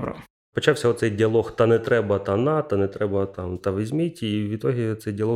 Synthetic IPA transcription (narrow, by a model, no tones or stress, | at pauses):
bɾɐ̰ | pɔt͡ʃɑwsʲɐɔt̪sɛjdʲiɐlˠɔxt̪ɑnɛt̪ɾɛbɐt̪anɑt̪ɐnɛt̪ɾɛbɐt̪amt̪ɑʋʲizʲmɪtʲiʋʲid̪t̪ɔɦit̪sɛjdʲiɐlˠɔ